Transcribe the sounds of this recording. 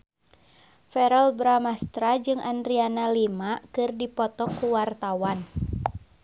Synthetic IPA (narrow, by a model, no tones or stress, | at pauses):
fɛɾɔlbɾamast̪ɾad͡ʒɨŋandɾianalimakɨrdipɔt̪ɔkːuwart̪awan